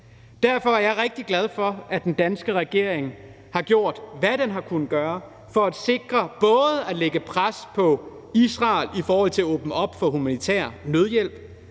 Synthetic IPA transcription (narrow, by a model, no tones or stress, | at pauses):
d̥æɐ̰fɒ̽æɐjɑ̈ɪʁɛɡ̥̚d̥iɡ̥læð̞ˠfɒ̽ʔæd̥end̥ænsɡ̥əʁɛɡ̥e̝ɐ̰eŋ | hɑ̈ɡ̥jo̝ɐ̰d̥ʋæɾ̥enɦɑ̈kʰunð̩ɡ̥ɶːɐ | fɒ̽æd̥se̝ɡ̥ʁɐb̥ɔ̽ːð̞̩ˠəæleɡ̥əpʰʁaspʰɒ̽ | isʁɑ̈ːlifɒːhɒ̽l̰t͡sʰe̝æɔːb̥nəʔɒ̽b̥fɒ̽ɦumænit͡sʰæ̰ɐ̰nøð̞ˠjel̰b̥